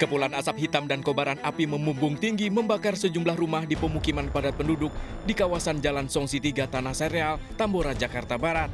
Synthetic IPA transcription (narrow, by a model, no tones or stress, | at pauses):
kəpulanasap̚hit̪amdankobaɾanapiməmumbʊŋt̪iŋɡiməmbakarsəd͡ʒumlahrumahdipəmukimanpadat̪̚pəndudʊk̚ | dikawasand͡ʒalansɔŋsit̪iɡat̪anahseɾealt̪amboɾad͡ʒakart̪abaɾat̪̚